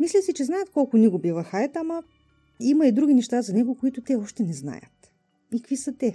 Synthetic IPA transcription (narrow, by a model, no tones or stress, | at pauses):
mislʲəsit͡ʃɛznajət̪kɔlˠkʊnɛɡobivəxajət̪amɐ | imɐid̪ɾuɡʲinɛʃt̪azɐnɛɡokoit̪ʊt̪ɛɔʃt̪ɛnɛzna̰jə̰t̪ | ikvisət̪ɛ